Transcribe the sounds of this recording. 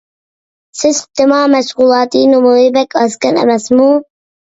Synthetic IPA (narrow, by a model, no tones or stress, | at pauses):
sɪzt̪ɪmɑːmæʃqulˠɑːt̪iːnomoːɪbɛkʰɑskɛnɛ̰mɛsmu